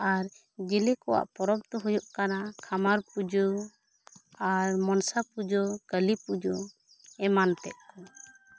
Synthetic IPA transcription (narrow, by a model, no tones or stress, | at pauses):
aɾ | d͡ʒɛlɛkɔwa̰ʔpɔɾɔb̚t̪ɔɦujɔʔkanakʰamaɾpud͡ʒɔ | aɾmɔnsapud͡ʒɔkəlipud͡ʒɔ | ɛmant̪ɛ̰ʔ̚kɔ